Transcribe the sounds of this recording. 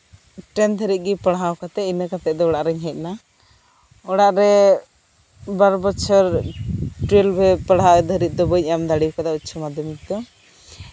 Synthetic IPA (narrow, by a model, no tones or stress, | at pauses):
ʈɛnd̪ʱəɾit̪̚ɡipəɽɦawkat̪ɛinəkat̪ɛʔd̪ɔɔɽaʔɾɛɲɦɛt̪̚ˀna | ɔɽaʔɾɛ | baɾbɔt͡ʃʰɔɾ | ʈɾilbɛpəɽɦad̪ʱəɾit̪̚ˀd̪ɔbəc̚ˀamd̪aɽikad̪aut͡ʃʰɔmad̪ʱjɔmik̚d̪ɔ